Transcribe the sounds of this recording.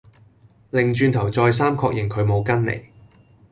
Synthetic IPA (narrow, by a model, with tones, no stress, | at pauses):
lɪ˨˩ŋt͡ʃyː˧nt̪ʰɐ˨˩wt͡sɔː˧js̬aː˥mkʰɔː˧k̚jɪ˨˩ŋkʰɵ˨˧ɥmo˨˧wkɐ˥nlḛ˨˩j